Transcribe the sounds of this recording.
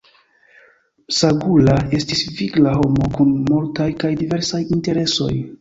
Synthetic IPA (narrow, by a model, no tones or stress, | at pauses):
saɡulae̞stisviɡlaɦo̞mo̞kunmultajkajdive̞ɾsajinte̞ɾe̞so̞̰j